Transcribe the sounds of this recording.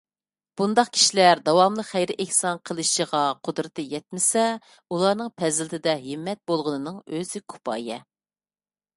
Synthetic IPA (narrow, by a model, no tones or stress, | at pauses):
b̥und̪ɑqkʲʰi̥ʃilæɾd̪ɑwɑmlˠəχæjɾɪʔɛhsɑnqʰəlˠɨʃəʁɑqʰʊd̪ɾɨt̪ɨjɛt̪̚mɪsɛ | ulˠɑɾnɨŋpʰɛzɪlɪt̪ʰɪd̪ɛɦɪmːɛt̪̚bolˠʁʊnɨnɨŋøz̥ɪkʰu̥pʰɑ̰ːjɛ